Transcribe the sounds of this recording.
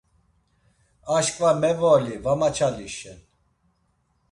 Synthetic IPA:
aʃkʼvamɛvɔlivamat͡ʃʰaliʃɛn

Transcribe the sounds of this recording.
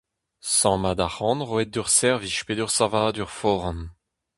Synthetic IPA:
sɑ̃mad̪aχɑ̃nʁoɛt̪̚d̪yʁsɛʁviʃped̪yʁsãvad̪yʁfɔʁn

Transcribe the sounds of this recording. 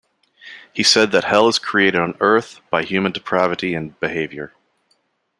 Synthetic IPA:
hisɛd̪̚ðɨt̚hɛlˠəz̥kʰɹ̥ieɪɾɨɾn̩ɜ˞θb̥aɪhjʉmɨ̃ndɨpʰɹ̥ævɨɾiɨ̃nb̥ɨheɪvjə˞

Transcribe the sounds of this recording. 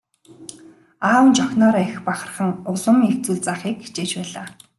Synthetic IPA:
aːwnt͡ɕɔxʲnɔːɾæxpaχə̆rχə̆ŋʊɮə̆mixt͡suːɮt͡saːχiːk̚ːi̥t͡ɕeːt͡ɕpæːɮaː

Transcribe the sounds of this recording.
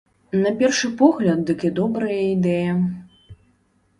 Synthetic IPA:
nɐpʲɛrʂɨpɔɣlʲɐt̪̚d̪ɨkid̪ɔbɾɐjɐid̪ɛjɐ

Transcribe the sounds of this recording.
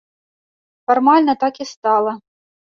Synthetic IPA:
farmalʲnɐt̪akist̪alˠɐ

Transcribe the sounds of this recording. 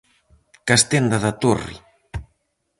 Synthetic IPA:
kast̪end̪aðat̪orḭ

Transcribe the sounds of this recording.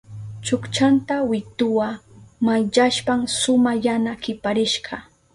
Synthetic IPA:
t͡ʃʊkt͡ʃant̪awɪt̪ʊwamajʎaʃpamsʊmajanakɪpaɾɪʃɢɑ

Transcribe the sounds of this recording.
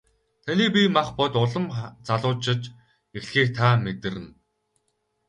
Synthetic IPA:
t̪ʰaniːpimaχpɔt̪ʊɮə̆mt͡saɮʊːt͡ɕɪ̆t͡ɕ | exxiːk̚t̪ʰaːmet̪ɘ̆rɘ̆n

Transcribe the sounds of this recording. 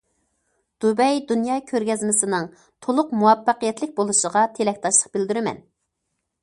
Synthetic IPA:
d̪̥ubɛjd̪unjɑːkʲʰøɾɡʲɛzmɪsɪnɨŋ | t̪ʰolˠʊqmuwɑpːɑqijɛt̪lɪk̚ʲbolˠuʃəʁɑt̪ʰelɛkʲt̪ʰɑʃlˠə̥q̚bɪld̪yɾɪmɛ̰n

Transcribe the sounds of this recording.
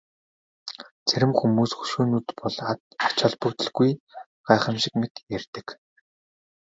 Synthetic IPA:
t͡sʰæɾʲɘ̆mxumuːsxɵ̥ʃuːnuːt̪pɔɮat̪̚ɔt͡ɕɔɮpɵwt̪ɵ̆ɮɡuj | ɢ̥aːχə̆mʃɪ̆k̚met̪jærʲt̪ɘ̆k

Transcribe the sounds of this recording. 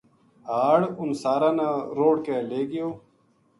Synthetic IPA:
aːɽʊnsaːɾaːnaːɾoːɽkeːleːɡijoː

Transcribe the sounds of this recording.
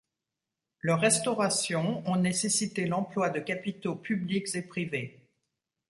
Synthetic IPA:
lœʁːɛst̪ɔʁasjɔ̃ɔ̃nesesit̪elɑ̃plwad̪əkapit̪opyblikzepχive

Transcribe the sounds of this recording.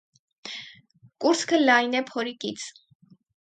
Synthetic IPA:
kuɾt͡sʰkʰəlɑjnɛpʰɔɾikit͡sʰ

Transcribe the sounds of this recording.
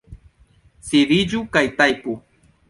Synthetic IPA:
sɪɾɪd͡ʒʊkajt̪ajkʊ

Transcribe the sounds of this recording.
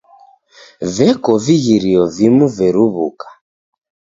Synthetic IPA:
vɛkɔviɣiɾiɔvimuvɛɾuβukḁ

